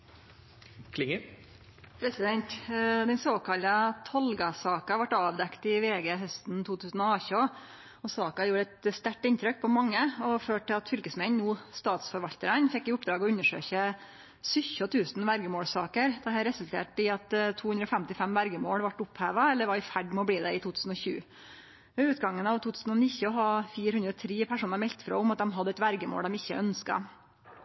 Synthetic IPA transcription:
kʰlɪŋə | pʰɾɛsɪd̪ɛnt̪d̪ɛnsoːkʰɑlət̪ʰɔlɡɑsɑːkɑʋɑʈːɑːʋd̪ɛkt̪ɪʋeːɡeɦœst̪nt̪ʰuːt̪ʰʉːsn̩ɔɑːço | ɔsɑːkɑjuːɾæt̪st̪æʈːɪnt̪ʰɾœk̚pʰɔmɑŋːəɔføːʈːɪlɑt̪fʏɾkəsmɛnnuːst̪ɑːt̪sfɔɾʋɑʎt̪əɾənfɛkːɪʊpd̪ɾɑːɡɔʉnːəʂø̰ːçə | sʏçɔt̪ʰʉːsn̩ʋæɾɡəmoːɽsɑːkəɾd̪ɛɦæɾɛsʉlt̪ʰḛːʈɪɑt̪t̪ʰːuːʉnd̪ɾəɔfɛmt̪ɪfɛmʋæɾɡəmoːɽʋɑʈːʊphæːʋɑɛlːəɾʋɑɪfæɖmɔbliːd̪ɛɪt̪ʰuːt̪ʰʉːsn̩ɔçʉ̰ː | ɔʉːt̪ɡɑŋːənɑʋt̪ʰuːt̪ʰʉːsn̩ɔnɪçːəɔɦɑːfiːɾhʉnd̪ɾəɔt̪ʰɾiːpʰæʂuːnɑɾmɛlt̪fɾo̰ːʊmɑt̪̚d̪ɛmɦɑd̪ːəɛt̪ʋæɾɡəmo̰ːɽd̪ɛmɪçːə̰ʔœnskɑ̰

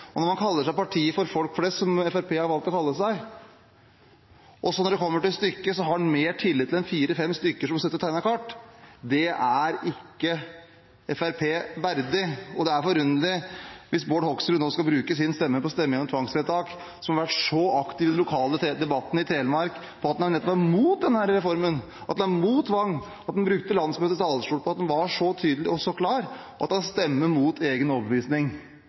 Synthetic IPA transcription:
ɔnɔɾmɑnkʰɑlːəʂæɪpɑʈʰiːəfɔɾfɔlkflɛst̪sɔmɛfæɾpʰeːhɑɾʋɑlt̪ɔkʰɑlːəsæɪ | ʔɔsɔnɔɖɛkʰɔmːəʈɪlst̪ʏkːəsɔɦɑɖnmeːʈʰɪlːɪt̪ʰːɪlɛnfiːɾəfɛmst̪ʏkːəʂɔmɑsɛt̪ːɔt̪ʰæɪnəkʰɑʈːd̪ɛæɾɪkːə | ɛfæɾpʰeːʋæɾd̪ɪɔd̪ɛæɾfɔɾʉnd̪əlɪʋɪsboːɖhɔksɾʉnoːskɑbɾʉːkəs̬ɪnst̪ɛmːəpɔst̪ɛmːəŋɔmt̪ʰʋɑŋsfɛt̪ʰɑːk | sɔmhɑɾʋæʈʂɔʔɑkt̪ɪːʋɪd̪ɛnlʊkʰɑːləd̪ɛbɑt̪ːənɪt̪ʰɾeːləmɑɾk | pʰɔɑt̪d̪nnɛt̪ːɔpʋæmuːt̪̚d̪ɛnhæɾəɾɛfɔɾmən | ʔɑt̪̚d̪ɛnæmuːt̪ʰːʋɑŋː | ɑt̪d̪ɛnbɾʉkt̪əlɑnsmøːt̪ət̪ɑlʂʈuːɽpʰɔɑt̪d̪ɛnʋɑʂɔt̪ʰyːd̪əlɪɔsɔkʰlɑːɾ | ʔɑ̰t̪̚d̪ɑnst̪ɛmːəmuːt̪ʰeːɡənɔbəʋiːsnɪŋ

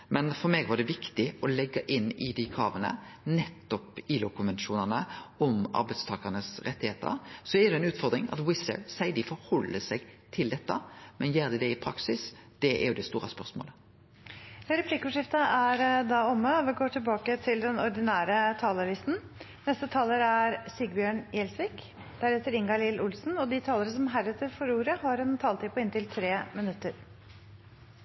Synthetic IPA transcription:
mɛnfɔɾmeːɡʋɑɖ̪ɛʋɪkt̪ɪɔlɛɡːɑʔɪnːɪd̪ɪkʰɑ̰ːʋənə̰nɛt̪ːɔpɪlʊkʊmʋɛnʃuːnənəɔmʔɑ̰ɾbæɪd̪st̪ʰɑːkɑʁnəsɾɛt̪ːɪheːt̪ə̰ɾsɔɛɾd̪ɛnʉːt̪fɔʁd̪ɾɪŋɑ̰t̪wɪsə̰sæɪd̪ɪfɔɾhɔlːəsɛɡt̪ʰɪld̪ɛt̪ːɑmɛnjeːʁd̪ɪd̪ɛɪpʰɾɑksɪs | d̪̥ɛʔɛ̰ɾjʊd̪ɛst̪uːɾɑspœʁsmo̰ːlə | ɾɛpʰlɪkːəɔʂɪft̪əʔæɾd̪ɑɔmːəɔʋɪɡoːʈʰɪlbɑːkət̪ʰɪld̪ɛnɔɾd̪ɪnæːɾət̪ʰɑːlɑlɪst̪n̩ | nɛst̪ət̪ʰɑːləɾæɾsiɡbjøːɳjɛlsʋiːk | d̪̥æɾɛt̪ːəɾɪŋɡɑlɪlʔʊlsn̩ɔd̪ɪt̪ʰɑːləɾəsɔmɦæɾɛt̪ːəɾfɔɾuːɾəhɑɾɛnt̪ʰɑːlt̪ʰɪpʊɪnt̪ɪlt̪ʰɾeːmɪnʉt̪ːəɾ

